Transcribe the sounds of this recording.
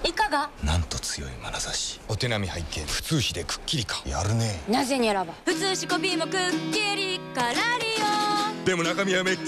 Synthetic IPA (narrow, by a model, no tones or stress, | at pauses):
ikaɡanã̰nt̪o̞t͡sɨjo̞̰ima̰nasaɕi̥o̞t̪e̞namʲihaikẽɸɯ̟̥t͡sɨːɕid̪e̞kɯ̥kʲːiɾʲikḁja̰ɾɯ̟ne̞naze̞ɲiaɾabaɸɯ̟t͡sɨːɕiko̞pʲiːmo̞kɯkʲːiɾʲikaɾaɾʲijod̪e̞mo̞nakamʲiame